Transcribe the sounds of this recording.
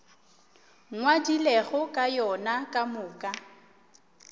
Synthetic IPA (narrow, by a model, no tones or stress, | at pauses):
ŋwadilɛɣʊkʼajɔnakʼamʊːkʼa